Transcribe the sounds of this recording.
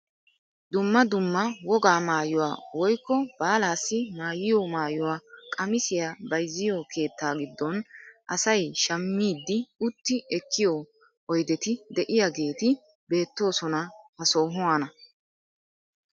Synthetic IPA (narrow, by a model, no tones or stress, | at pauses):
d̪ʊmːɐd̪ʊmːɐwɔɡaːmaːjʊwa̰ːwɔjkːɔb̥aːlaːsːɪmaːjɪjɔmaːjʊwaːkʼɐmɪsɪjabɐjzːɪjɔkʰe̞ːt̪ːaːɡɪd̪ːɔnʔɐsɐjʃɐmːiːd̪ːɪʊt̪ːɪʔɛkʰːɪjo | ʔɔjd̪ɛt̪ɪd̪ɛʔɪjaɡe̞ːt̪ɪ | be̞ːt̪ːo̞ːsɔnɐhɐso̞ːɦʊwanɐ